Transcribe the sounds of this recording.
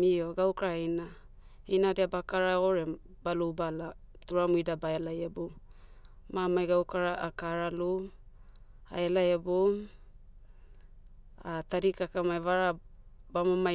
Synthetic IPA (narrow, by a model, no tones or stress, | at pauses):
ioɡawkaɾaina | inadeabakaɾaoɾe | balubala | tuɾamuidabaelajebo | mamajɡawkaɾaʔakaɾalu | a̰elajebom | ataɾikakamajvaɾa | bamama